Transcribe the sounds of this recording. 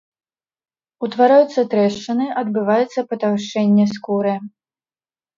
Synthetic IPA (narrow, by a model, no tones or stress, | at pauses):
ut̪vaɾajut̪sːɐt̪ɾɛʂt͡ʂɐnɨʔɐd̪bɨvajɛt̪sːɐpɐt̪awʂɛnʲːɛskuɾɨ